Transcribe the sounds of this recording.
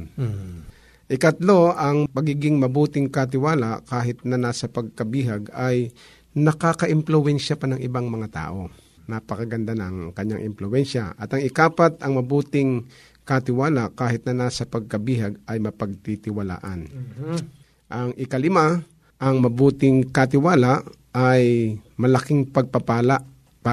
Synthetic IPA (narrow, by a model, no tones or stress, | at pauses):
ʔɪkɐt̪lo̞ʔɐŋpɐɡiːɡɪŋmɐbuːt̪ɪŋkɐt̪̬ɪwaːlakaːɦɪt̪̚nɐnaːsɐpɐɡ̚kɐbiːɦaɡaj | nɐkakɐʔɪmplʊwɛnʃɐpɐnɐŋʔɪbaŋmɐŋat̪a̰ːʔo̞ | napɐkɐɡɐnd̪anɐŋkɐɲːaŋʔɪ̰mplʊwɛnʃaʔɐt̪ɐŋɪkaːpat̪ʔɐŋmɐbuːt̪ɪŋ | kat̪ɪwaːlakaːɦɪt̪nɐnaːsɐpɐɡ̚kɐbiɦaɡɐjmɐpɐɡ̚t̪it̪ɪwɐla̰ːʔɐn | ʔɐŋʔɪkɐlɪma | ʔɐŋmɐbuːt̪ɪŋkɐt̪̬ɪwaːlaʔ | ajmɐlɐkɪŋpɐɡ̚pɐpaːlaʔ | pa